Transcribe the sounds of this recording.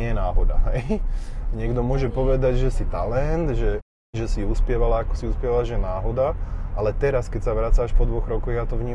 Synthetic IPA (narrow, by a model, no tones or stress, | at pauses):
ɛjɛnaːɦɔd̪aɦɛjɲɪɛɡd̪ɔmʊɔʒɛpɔʋɛd̪aɟʒɛsit̪alɛnd̪ʒɛ | ʒɛsiuspɪɛʋalaakɔ̥siuspɪɛʋalaʒɛjɛnaːɦɔd̪aʔalɛt̪ɛɾaskɛcsaʋɾat͡saːʃpɔd̪ʋɔɣɾɔkɔɣjat̪ɔʋɲiː